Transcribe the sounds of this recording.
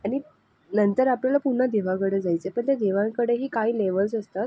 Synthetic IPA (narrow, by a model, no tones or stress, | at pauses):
aɽ̃i | nənt̪əɾapljalapuɳːəd̪eʋakəɽed͡zajt͡sepəɳt̪jad̪eʋãŋkəɽeɦiːkaɦiːleʋəlsəst̪at̪